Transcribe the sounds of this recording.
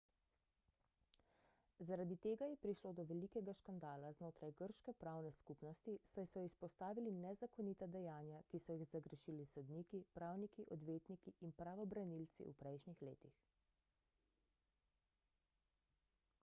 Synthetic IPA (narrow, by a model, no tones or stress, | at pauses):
zaɾad̪it̪eːɡajɛpɾiʃloːd̪ɔʋɛlikɛɡaʃkand̪aːlaznoːt̪ɾajɡəɾʃkɛpɾawnɛskupnɔst̪isajsɔispɔst̪aːʋilinɛzakɔniːt̪ad̪ɛjaːnjakisɔjixzaɡɾəʃilisɔd̪niːkipɾaːwnikiʔɔd̪ʋeːt̪nikiinpɾaʋɔbɾanilt̪sḭṵpɾɛjʃnixleːt̪ix